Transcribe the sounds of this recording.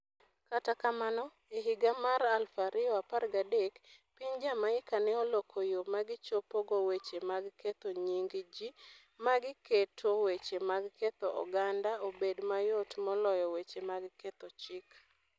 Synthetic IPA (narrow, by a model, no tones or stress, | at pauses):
katakamanɔ | eɦɪɡamaɾalfaɾɪɔaparɡadekpiɲd͡ʒamaɪkanɛolokʰojomaɡɪt͡ʃopoɡowet͡ʃemaɡket̪oɲiŋɡd͡ʒi | maɡɪketʰowet͡ʃemaɡket̪oɔ̰ɡandaobedmajotmɔlɔjɔwet͡ʃemaɡket̪ɔt͡ʃɪk